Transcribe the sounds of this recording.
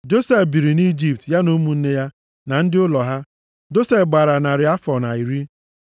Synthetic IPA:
d͡ʒo˦se˨fbi˨ɾi˨ni˦d͡ʒi˨p̚tja˦no˦mu˨˦n̩˦ne˦ja˦ | na˨n̩˦dɪ˦ʊ˦lɔ˨ɦa˦ | d͡ʒo˦se˨fɡ͡ba˨ɾa˨na˨ɾɪ˨˦a˦fɔ˨na˨i˨ɾi˦

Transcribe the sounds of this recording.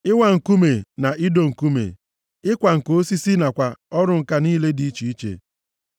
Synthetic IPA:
ɪ˦wa˨ŋ̩˨ku˦me˨na˨ʔi˦do˦ŋ̩˨ku˦mḛ˨ | ɪ˦kʷa˨ŋ̩˨ko˦si˦si˦na˨kʷa˨ɔ˦ɾʊ˦ŋ̩˨ka˦niː˦le˦di˨i˦t͡ʃi˨i˦t͡ʃḛ˨

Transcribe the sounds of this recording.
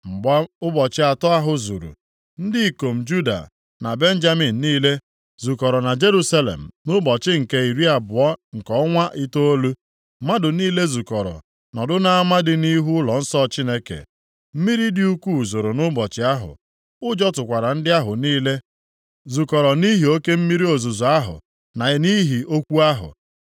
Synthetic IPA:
m̩˨ɡ͡ba˦ʊ˦bɔ˨t͡ʃɪ˦a˨tɔ˦a˦ɦʊ˨zu˨ɾṵ˨ | n̩˦dɪ˦i˨ko˨m̩˨d͡ʒu˦da̰˨ | na˨be˦n̩˦d͡ʒa˦mi˨n̩ː˨iː˦le˦ | zu˨kɔ˨ɾɔ˨na˨d͡ʒe˦ɾu˦sa˦lḛ˨m̩˨nʊ˦bɔ˨t͡ʃɪ˦ŋ̩˨ke˦i˨ɾi˦a˨bʊ˨ɔ˦ŋ̩˨kɔ˨˦ŋʷa˦ʔi˦to˦o˦lu˦ | ma˦dʊ˨niː˦le˦zu˨kɔ˨ɾɔ̰˨ | nɔ˨dʊ˦na˨a˦ma˦dɪ˨ni˦ɦu˦lɔ˨n̩˦sɔ˦˨t͡ʃi˦ne˦kḛ˨ | m̩˦mi˦ɾi˦dɪ˦u˦kʷu˦˨zo˨ɾo˨nʊ˦bɔ˨t͡ʃɪ˦a˦ɦʊ̰˨ | ʊ˦d͡ʒɔ˦tʊ˨kʷa˨ɾa˨n̩˦dɪ˦a˦ɦʊ˨niː˦le˦ | zu˨kɔ˨ɾɔ˨ni˦ɦi˨o˦ke˦m̩˦mi˦ɾi˦o˨zu˨zɔ˨a˦ɦʊ̰˨ | na˨ni˦ɦi˨o˦kʷu˦a˦ɦʊ̰˨

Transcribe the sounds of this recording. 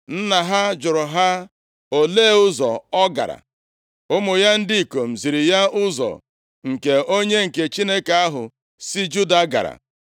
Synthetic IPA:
n̩˦na˨ɦa˦d͡ʒʊ˨ɾʊ˨ɦa˦ | o˦leː˦ʊ˦zɔ̰˨ɔ˦ɡa̰˨ɾa̰˨ | ʊ˦mʊ˨ja˦n̩˦dɪ˦i˨ko˨m̩˨zi˨ɾi˨ja˦ʊ˦zɔ̰˨ | ŋ̩˨ke˨o˦ɲe˦ŋ̩˨ke˨t͡ʃi˦ne˦ka˨a˦ɦʊ̰˨ | si˦d͡ʒu˦da˨˦ɡa̰˨ɾa̰˨

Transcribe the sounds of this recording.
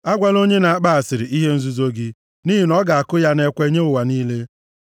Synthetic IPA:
a˦ɡʷa˦˨lo˦ɲe˦na˨a˦k͡pa˦a˨sɪ˨ɾɪ˨i˦ɦe˦n̩˦zu˦zo˦ɡɪ˦ | ni˦ɦi˨nɔ˦ɡa˨a˨kʊ˦ja˦ne˦kʷe˦ɲe˦ʊ˨wa˨niː˦le˦

